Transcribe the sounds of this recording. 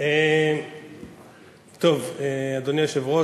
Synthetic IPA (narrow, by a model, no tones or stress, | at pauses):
e | t̪ovead̪oniʃevʁo